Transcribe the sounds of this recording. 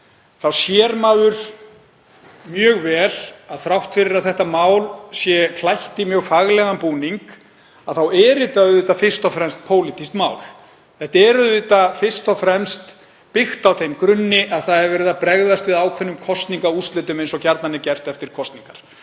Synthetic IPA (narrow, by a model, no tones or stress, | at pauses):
θawsjɛːɾmaːðʏɾ̥ | mjœːɣvɛːlaðθɾawht̪fɪɾɪɾaðθɛht̪amaːwlsjɛkʰlajht̪imjœːɣfaɣlɛɣampuːniŋk | aðθawɛːɾɪt̪aʏðɪːt̪afɪr̥st̪ɔfɾɛmst̪̚pʰoːwlit̪ist̪maːwl | θɛht̪aɛɾʏððɪːt̪afɪr̥st̪ɔfɾɛmst̪ | pɪxt̪awθejmkɾʏnːɪʔaðθaðɛɾvɛːɾɪðapɾɛɣðast̪vɪðaːwkʰvɛnːʏmkʰɔst̪niŋkaust̪lɪːt̪ʏmejnsɔɣcaɾt̪nanɪcɛr̥t̪ɛft̪ɪɾ̥kʰɔst̪niŋkaɾ̥